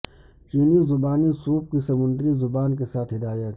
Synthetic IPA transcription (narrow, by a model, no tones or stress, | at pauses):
t͡ʃiːnizʊbaːnisuːp̚kisɐmʊ̃nd̪ɾizʊbaːnk̬esaːt̪ʰɦɪd̪aːjə